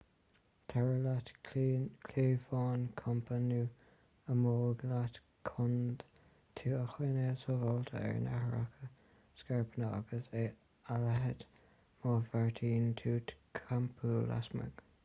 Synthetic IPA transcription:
t̪ʰɛɹəlat | kʰleːfɑːnkʰɔmpʰanu | əmoːɡlat̪ | kʰʊnd̪ | t̪ʰuːəxweːnesovɔlt̪ʰə̰ɛ̰ɹna̰hɹa̰kʰə | skɛɹpʰənəa̰ɡəse | alɛɦəd̪ | mɑːfɛɹt̪ʰiːnt̪ʰuːt̪ʰkʰampʰula̰smə̰ɡ̥

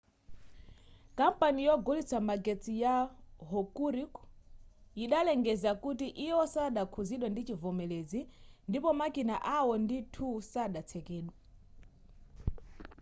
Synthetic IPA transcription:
kampanijɔɡulit͡sʰamaɡɛt͡sijaɦɔkuɾik | iɗalɛŋɡɛzakutiʔijɔsaɗakʰuziɗwɛndit͡ʃivɔmɛlɛzindipɔmakinaʔawɔnditʰusaɗat͡sʰɛkɛːɗwa

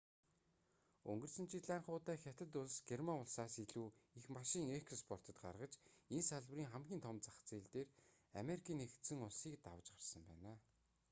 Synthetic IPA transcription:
ɵ̰ŋɡɵ̆rsɘ̆nt͡ɕʰit̪ɮæːɴχʊːt̪æːxʲat̪ə̆t̪ʊɮsɡ̥ermaŋʊɮsaːsiɮuːixmaʃɪŋekʰspʰɔr̥t̪ʰə̆t̪ɢa̰rʁə̆t͡ɕensaɮwriːŋχamɡʲiːnt̪ʰɔmt͡sḁχt͡seːɮt̪eːr | a̰meɾikʰiːnext̪sɘ̆ŋʊɮsiːk̚t̪awə̆t͡ɕɢarsə̆mpæ̰ːnaː

